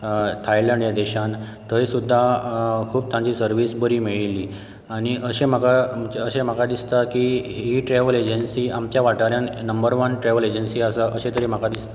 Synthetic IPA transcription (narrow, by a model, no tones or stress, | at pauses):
t̪ʰajlə̃ɳɖjad̪eɕant̪əisud̪ʱːakʰuːb̚t̪ãɲt͡ɕiːsəɾʋiːsbəɾiːmiɭiliː | aɽ̃iʔəɕem̤akaməɕem̤akad̪ist̪akiɦiʈɾeʋəled͡ʑənsiːamt͡ɕjaʋaʈaɾjãnnəmbəɾʋənʈɾeʋəled͡ʑənsiːasaʔəsẽt̪əɾim̤akad̪ist̪a